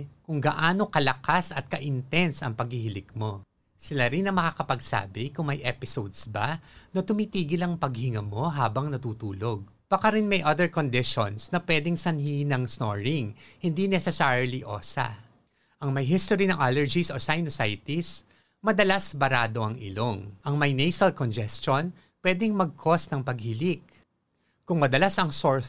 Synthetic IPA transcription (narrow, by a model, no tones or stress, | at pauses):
kʊŋɡɐʔaːno̞kɐlɐkasɐt̪̚kɐʔɪnt̪ɛnsɐ̰ŋpɐɡ̚hɪhɪlɪɡ̚mo̞ | sɪlaɾɪnːɐŋmɐkaːkɐpɐɡsa̰ːbɪkʊŋmɐjʔɛpɪsowd̪sbɐnɐt̪ʊmit̪iːɡɪlɐŋpɐɡ̚hɪŋɐmo̞ɦaːbɐŋnɐt̪uːt̪uːlo̞ɡ̚ | b̥ɐkaɾɪnmɐjʔɐd̪ɛɹkond̪ɪʃonsnɐpwɛːd̪ɛŋsɐnhinɐŋsnoɹɪŋhɪnd̪inɛsɛsaɹliʔo̞̰ːsɐ̰ | ʔɐŋmɐjɦist̪oɾinɐŋʔalɛɹd͡ʒisosajnosajt̪is | mɐd̪ɐlasbɐɾaːd̪o̞ʔɐŋʔɪ̰loŋʔɐŋmɐjnɛjsɐlkond͡ʒɛst͡ʃon | pwɛd̪ɛŋmɐɡ̚kʰo̞st̪nɐŋpɐɡ̚hɪlɪk̚ | kʊŋmɐd̪ɐlasɐŋsoɹ